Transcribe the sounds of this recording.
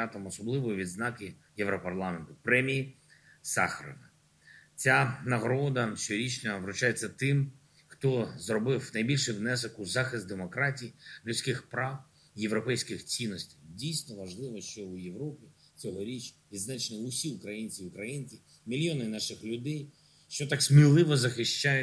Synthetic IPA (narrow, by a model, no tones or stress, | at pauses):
ɑt̪ɔmɔsɔblˠɪʋɔʋʲid̪znɑkɪjɛʋɾɔpɐrlˠɑment̪ʊpɾɛmʲiji | sɑ̰xɐɾɔ̰ʋɐ | t͡sʲanɐɦɾɔd̪ɐt͡ʃt͡ʃɔɾʲit͡ʃnʲɐʋɾʊt͡ʃajet͡sʲːɐt̪ɪm | xt̪ɔzrɔbɪwnɐjbʲilʲʃɪwnɛs̬ɔkʊzɑxɪst̪d̪emɔkɾɑtʲijilʲʊtsʲkɪxpɾɑw | jeʋɾɔpɛjsʲkɪxt͡sʲinːɔsʲtʲɪ̥jdʲijsʲnɔʋɐʒlˠɪʋɔʃt͡ʃɔʊjeʋɾɔpʲi | t͡sʲɔɦɔɾʲit͡ʃʋʲid̪znɑt͡ʃnɔʊsʲiʊkɾɐjinʲt͡sʲiʊkɾɐjinʲt͡sʲi | mʲilʲjɔnɪnɑʃɪxlʲʊd̪ɛj | ʃt͡ʃɔt̪ɑksmʲilˠɪʋɔzɐxɪʃt͡ʃajʊ